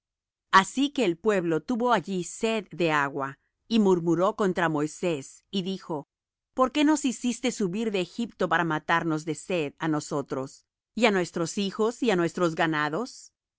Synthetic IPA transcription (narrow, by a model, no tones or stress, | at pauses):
asike̞ːlpwe̞βlo̞t̪uβo̞aʝise̞ðːe̞aɣwa | imuɾmuɾo̞ko̞nt̪ɾamo̞jse̞siðixo̞ | po̞ɾke̞no̞sisist̪e̞suβiɾðe̞ːxipt̪o̞paɾamat̪aɾno̞zðe̞se̞ðano̞so̞t̪ɾo̞s | ianwe̞st̪ɾo̞sixosianwe̞st̪ɾo̞zɡanaðo̞s